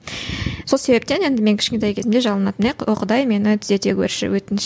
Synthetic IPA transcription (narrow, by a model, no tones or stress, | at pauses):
so̞lˠse̞be̞p̚t̪e̞ne̞nd̪ɪme̞ŋkʰʲɪ̥ʃkʲent̪ejkʲʰe̞zɪmd̪e̞ʒɑlˠənɑt̪əneqoqəd̪ɑjme̞nɪt̪ʰɪze̞t̪e̞kʲʰɵ̰ɾʃɪ̰wɵt̪ɪn